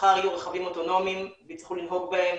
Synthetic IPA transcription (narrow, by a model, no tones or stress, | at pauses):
χaʁijuʁeχavimo̞t̪o̞no̞mimbit͡sχulinɦo̞ɡbaem